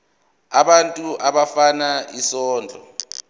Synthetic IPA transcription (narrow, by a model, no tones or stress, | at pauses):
aɓantʼuʔaɓafanaisɔːnd͡ɮʱɔ̰